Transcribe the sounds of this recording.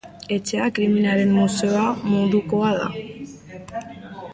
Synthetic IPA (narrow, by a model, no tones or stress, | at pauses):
e̞t͡ʃe̞akɾiminaɾe̞mmuse̞oamuðuko̞aða̰